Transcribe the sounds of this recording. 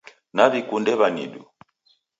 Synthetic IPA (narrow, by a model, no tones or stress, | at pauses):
naβikundɛβanḭɗu